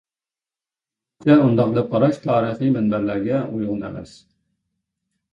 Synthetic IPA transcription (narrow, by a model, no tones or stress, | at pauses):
t̪ɛund̪ɑqd̪ɛp̚qɑɾɑʃt̪ʰɑːɾəχimænbæɾlæɾɡʲɛujʁənæ̰mɛ̰s